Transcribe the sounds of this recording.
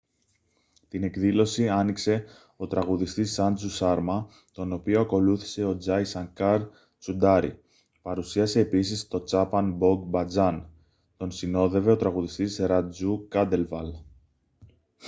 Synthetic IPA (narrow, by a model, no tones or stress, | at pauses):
t̪ine̞kðilo̞siɐnikse̞ | o̞t̪ɾɐɣuðist̪isɐnd͡zusɐɾmɐ | t̪o̞no̞pio̞ɐko̞luθi̥se̞o̞d͡zɐjsɐŋkɐɾ | t͡sud̪ɐɾḭ | pɐɾusiɐse̞ːpisist̪o̞t͡sɐpɐnbo̞ɡbɐd͡zɐn | t̪o̞nsino̞ðe̞ve̞o̞t̪ɾɐɣuðist̪isɾɐd͡zukɐd̪e̞lvɐl